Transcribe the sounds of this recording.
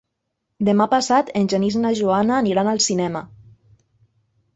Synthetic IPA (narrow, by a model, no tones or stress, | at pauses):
d̪emapasat̪enʲʒeniznaʒuanaːniɾanalˠsinɛmə